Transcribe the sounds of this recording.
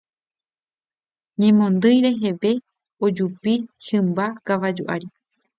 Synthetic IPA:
ɲẽ̞mõ̞nd̪ɨjɾe̞ɦe̞ʋe̞ | od͡ʒupihɨ̃mbakaʋad͡ʒuʔa̰ɾi

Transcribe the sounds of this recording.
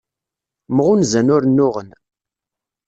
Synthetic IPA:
mʁʊnzænʊɾnːʊʁən

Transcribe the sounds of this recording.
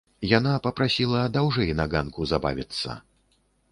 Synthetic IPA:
janapɐpɾasʲilˠɐd̪awʐɛjnaɡankuzaba̰vʲit̪sːɐ̰

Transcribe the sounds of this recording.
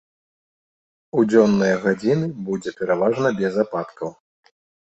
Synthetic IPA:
ud͡zʲɔnːɨjɐɣad͡zʲinɨbud͡zʲɛpʲɛɾavaʐnɐbʲɛzapat̪kɐw

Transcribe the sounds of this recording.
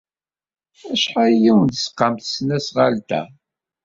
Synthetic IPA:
æʃħajiwnd̪sqːɑmt̪snæsʁalt̪æ̰

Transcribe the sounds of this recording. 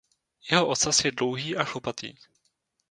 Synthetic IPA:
jɛɦoʔot̪t͡sasjɛdlowɦiːʔaʃopat̪ḭː

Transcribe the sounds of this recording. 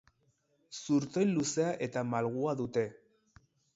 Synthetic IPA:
suɾt̪o̞jnluse̞aʔe̞t̪amalɣ̞uaðut̪e̞

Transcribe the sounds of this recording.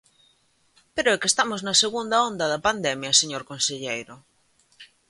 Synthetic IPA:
peɾoɛkest̪amoznaseɣund̪aond̪aðapand̪emjaseɲoɾkonseʎejɾo

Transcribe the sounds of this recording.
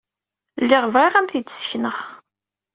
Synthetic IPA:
lːɪʁvʁeʁæmθidə̥sçnəʁ

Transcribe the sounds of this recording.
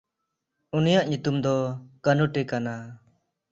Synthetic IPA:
unijaʔɲut̪umd̪ɔkənuʈekana

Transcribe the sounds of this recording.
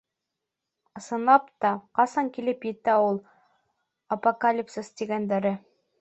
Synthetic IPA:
ɤ̆sɤ̆nlˠɑpt̪ɑqɑsɑŋkilɘpjɘ̆t̪æulˠ | ɐpokalʲipsəst̪iɡænd̪æɾɘ

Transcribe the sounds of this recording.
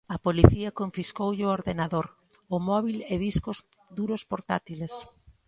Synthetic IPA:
ɐpoliθiɐkoɱfiskowʎɪooɾðenaðoɾ | ʊmɔβileβiskos | d̪uɾospoɾt̪at̪iles

